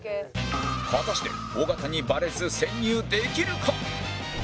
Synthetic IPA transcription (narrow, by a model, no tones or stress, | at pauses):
βat̪aɕi̥t̪e̞̰ | oɡat̪aɲ̟ibaɾe̞zɨsẽ̞ɲʲjɨːd̪e̞kʲiɾɯ̟kʰa